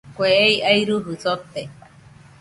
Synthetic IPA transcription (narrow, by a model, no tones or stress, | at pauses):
kʷeejajɾuɦusot̪e